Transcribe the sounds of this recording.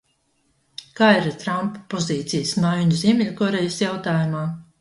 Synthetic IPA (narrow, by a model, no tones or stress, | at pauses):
kaːiɾt̪ɾamppːɔziːt̪sijəsmajuɲuzʲiɛmʲilʲukɔɾejəsjawt̪aːjumaː